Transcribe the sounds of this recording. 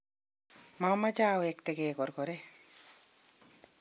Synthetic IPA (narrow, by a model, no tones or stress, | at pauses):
mamad͡ʒaːwekt̪eɡeːkɔɾkoɾe